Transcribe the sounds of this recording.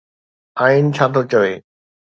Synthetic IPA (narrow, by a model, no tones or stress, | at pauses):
aːint͡ɕʰaːt̪ʰot͡ɕəʋeː